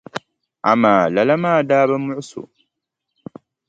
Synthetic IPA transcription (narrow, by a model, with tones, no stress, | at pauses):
a̰˨maː˨la˨la˦maː˦˨daː˦ba˦mʊ˦ʔʊ˦sṵ˨